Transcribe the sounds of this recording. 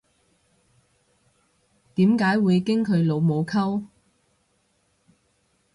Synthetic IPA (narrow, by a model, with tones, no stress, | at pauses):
t̪iː˨˥mkaː˨˥jwuː˨˧jkɪ˥ŋkʰɵ˨˧ɥlo˨˧wmo˨˧wkʰɐ˥w